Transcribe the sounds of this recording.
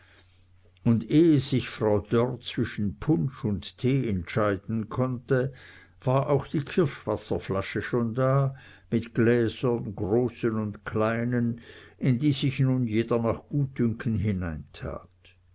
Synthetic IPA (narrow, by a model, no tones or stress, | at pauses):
ʊndeːəsɪçfʁaʊd̥ɔrt͡sv̥ɪʃn̩pʰʊnʃʊnttʰeːɛntʃaɪd̥n̩kʰɔntə | v̥aːʁʔaʊxd̥iːkʰɪɐʃv̥asɐflaʃəʃoːndaː | mɪtɡ̥lɛːzɐnɡʁoːsənʊntkʰlaɪnənɪndiːzɪçnunjeːdɐnaːχɡ̥uːt̚ːʏŋkʰən̩ɦɪnaɪntʰa̰ːt